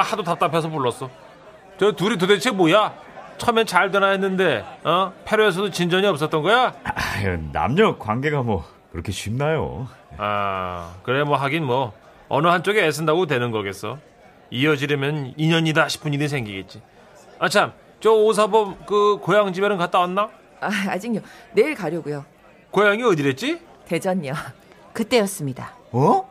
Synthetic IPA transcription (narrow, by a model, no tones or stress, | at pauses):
ahadotat͈apʰʌsʰʌpuɭːʌs͈ʌ | t͡ɕʌtuɾit̬odet͡ɕʰemoja | t͡ɕʰʌmjʌnt͡ɕaɭtʌnaɦenːɯnde̞apʰe̞ɾoes̬ʰʌdot͡ɕind͡ʑʌɲiʌp̚s͈ʌt̚t͈ʌnɡʌjaʌna̰mɲʌkwanɡe̞ɡamwʌ | kɯɾʌkʰet͡ɕɥimnajo̰a̰kɯɾemwʌɦaɡinmwʌ | ʌnɯɦant͡ɕ͈oɡeːsʰɯndaɡotwe̞nɯnɡʌɡe̞s͈ʌ | ijʌd͡ʑiɾʌmjʌniɲʌɲidaɕʰi̥pʰuɲinisʰe̞ŋɡiɡe̞t̚t͡ɕ͈i | at͡ɕʰam | t͡ɕʌos̬ʰabʌmkɯkojaŋd͡ʑibeɾɯnkat͈̚awanːa | aad͡ʑiɲoneiɭkaɾjʌɡujo | kojaŋiʌdiɾe̞t̚t͡ɕ͈i | te̞d͡ʑʌɲʌ | kɯt͈e̞jʌs͈ɯmɲidaʌ